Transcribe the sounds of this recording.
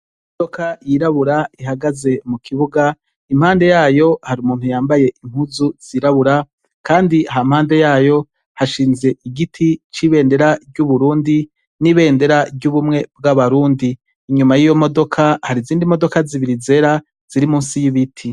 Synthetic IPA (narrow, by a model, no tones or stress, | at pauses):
imodo̞kajiɾaβuɾaiɦaɡaze̞mukʰiβuɡa | imhaːnde̞jaːjo̞haɾiumuːnhujaːmbaje̞ʔiŋ̥huzuz̥iɾaβuɾa | kaːndiɦam̥haːnde̞jaːjo̞ | haʃiːnze̞ʔiɡitʰit͡ʃiβe̞ːnde̞ɾaɾɟuβuɾuːndi | niβe̞ːnde̞ɾaɾɟuβumŋe̞b̚ɡaβaɾuːndiː | ɲumajijo̞mo̞do̞kʰahaɾiziːndimo̞do̞kaziβiɾize̞ɾa | z̥iɾimuːnsijiβitʰi